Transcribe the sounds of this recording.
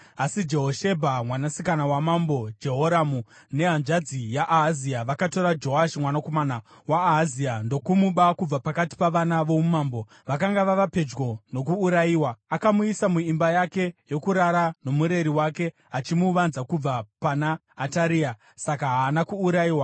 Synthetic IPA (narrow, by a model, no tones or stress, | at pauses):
asid͡ʒe̞ɦoʃe̞bʱamwanasikanawamambo̞d͡ʒe̞ɦoɾamu | ne̞ɦanʐad͡zijaʔaɦziaʋakato̞ɾad͡ʒo̞aʃimwanako̞mana | waːɦaziando̞kumuɓakub͡vapakati̥paʋanaʋo̞mumaːmbo̞ | ʋak̬aŋɡaʋaʋape̞d͡ʒɡo̞no̞kuːɾajiːwaːkamuisamuimbajake̞jo̞kuɾaɾano̞muɾe̞ɾiwake̞ | at͡ʃimuʋanzakub͡vapanaː | taɾia | sakaɦaːnakuːɾaiːwa